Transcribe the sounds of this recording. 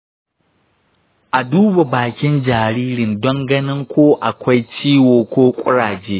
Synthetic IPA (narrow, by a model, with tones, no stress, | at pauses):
ʔa˨duː˦ba˨baː˨kʲɪ˦nd͡ʒaː˨ɾiː˦ɾɪ˨ndɔ˦ŋɡɐ˦nɪ˦ŋkʷoː˦ʔa˨kʷa˦jt͡ʃiː˦woː˨kʷoː˦kʷʼʊ̰˦ɽaː˨d͡ʒeː˦